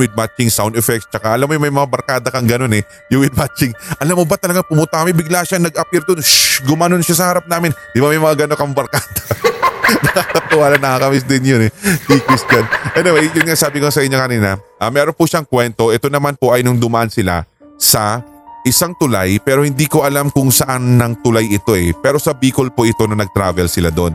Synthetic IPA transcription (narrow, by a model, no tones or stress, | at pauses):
wɪd̪̚mat͡ʃɪŋsawnd̪ɛfɛk̚st͡ʃɐkaʔɐlamːojʊŋmɐjmɐŋabɐɾkaːd̪ɐkɐŋɡɐno̞nɛ | jʊwɪd̪̚mat͡ʃɪŋʔɐlamːobat̪ɐlɐɡaŋpʊmʊnt̪akɐmɪbɪɡ̚laːʃaŋnɐɡʔɐpɛɾt̪onʃɡʊmaːnonʃasɐhaːɾɐp̚naːmɪnd̪ɪbamɐjmɐŋaɡɐnokɐŋbɐɾkaːd̪ɐ | nɐkakɐt̪ʊwaːlɐnːɐkakɐmɪs̬d̪ɪnjonɛiːkɪskɐnʔɛnoɐjjʊnŋasaːbɪkosɐʔɪɲːokɐniːnɐʔɐmɛːɾonpʊʃaŋkwɛnt̪o̞ʔɛt̪o̞nɐmanpo̞ʔɐjnʊŋd̪ʊmɐʔansɪla̰ | sɐ | ʔɪsaŋt̪ʊla̰jpɛːɾo̞hɪnd̪iːkoʔɐlamkʊŋsɐʔanːɐŋt̪ʊlajɪt̪o̞ʔɛpɛːɾo̞sɐbiːkolpoʔɪt̪o̞nɐnɐɡ̚t̪ɾa̰ːvɛlsɪla̰d̪o̞n